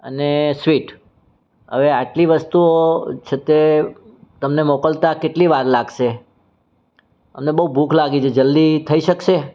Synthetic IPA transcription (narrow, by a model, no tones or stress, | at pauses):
ə̰nesʋiʈ | ɦə̰ʋeaʈliʋəst̪uot͡ʃʰet̪e | t̪əmnemɔkəlt̪akeʈliʋaɾlaɡʃe | əmnebəubʱukʰlaɡit͡ʃʰed͡ʒəld̪it̪ʰəiʃəkʃe